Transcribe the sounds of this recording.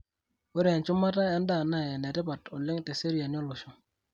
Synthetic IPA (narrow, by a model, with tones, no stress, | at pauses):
wʊ˦ɾe˨nt͡ʃʊ˦ma˦ta˦a˦nda˦˨na˦˨ja˨nɛ˨tɪ˦pa˨tɔ˨lɪ˦ŋte˨se˦ɾja˨njɔ˦lʊ˨ʃʊ˦